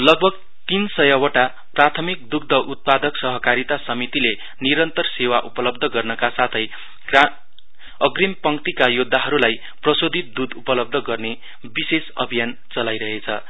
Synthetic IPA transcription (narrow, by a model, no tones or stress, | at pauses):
lʌɡ̚bʱʌɡ | t̪insʌjʌwʌʈa | prat̪ʰʌmik̚d̪uk̚d̪ʱʌʔut̪̚pad̪ʌksʌɦʌkaɾit̪asʌmit̪ile | niɾʌnt̪ʌrsewaʔupʌlʌb̚d̪ʱʌɡʌrnʌkasat̪ʰʌj | ra | ʌɡrimpʌŋkt̪ikajud̪ʱːaɦʌɾulaj | prʌsod̪ʱit̪̚d̪ud̪upʌlʌb̚d̪ʱʌɡʌrne | bisesʌ̰bʱijan | t͡sʌlajɾʌɦet͡sʰʌ̰